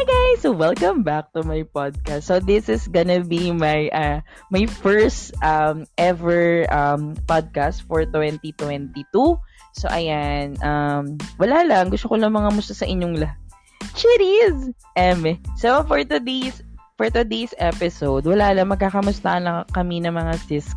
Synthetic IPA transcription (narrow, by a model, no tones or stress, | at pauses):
ɡajsowɛlˠkɐ̃mbak̚t̪ʊmajpad̪̚kastsoðɪsɪsɡɔnɐbimajʔɐ | mɐjfɛɹst̪ʔamʔɛvɛɹʔɐmpad̪̚kast̪fɔɹt̪wɛnt̪it̪wɛnt̪it̪u | soʔɐjanʔɐmwɐlalɐŋɡʊst̪okolɐŋmɐŋamʊst̪asɐʔɪɲːoŋlɐ | t͡ʃiɾiz | ʔɛmɛsɛɐfɔɹt̪ud̪esfɔɹt̪ud̪esʔɛpɪsowd̪wɐlalɐŋmɐɡ̚kaːkɐmʊst̪a̰ʔɐnɐkɐminɐŋmɐŋasɪsk